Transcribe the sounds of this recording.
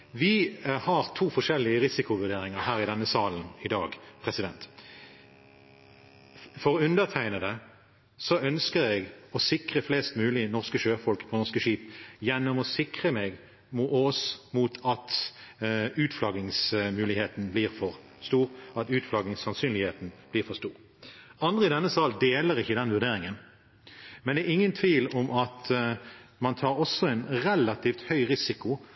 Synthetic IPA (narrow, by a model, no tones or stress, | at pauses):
ʋɪhɑʁt̪ʰuːfɔʃɛlːɪəʁɪsɪkʊʋʉʁɖ̪eːɾɪŋəɾhæːʁɪd̪ɛnːəsɑːln̩ɪd̪ɑːɡpʰʁɛsɪd̪ɛnt̪ | fɔʁɔʉnd̪əʁt̪ʰæɪnəd̪ɛ | sɔœnskəɾɛɡɔsɪkʁəflɛːst̪mʉːlɪnɔʁskəʃøːfɔlkpʰɔnɔskəʃiːpjɛnːɔmɔsɪkʁəmɛɡ | muɔsmuːt̪ʰɑt̪ | ʉːt̪flɑɡɪŋsmʉːlɪheːt̪n̩bliːʁfɔʁ | st̪uːʁɑt̪ʉːt̪flɑːɡɪŋsɑnsyːnlɪheːt̪n̩b̥liːʁfɔst̪uːʁ | ɑnd̪ʁəɪd̪ɛnːəsɑld̪eːləʁɪçːəd̪ɛnʋʉʁd̪eːʁɪŋən | mɛnd̪ɛɛʁɪŋːənt̪ʰʋiːlɔmɑt̪ | mɑnt̪ʰɑːʁɔsːɔɛɪnʁɛlɑt̪ʰiːft̪hœʏʁɪsɪkʊ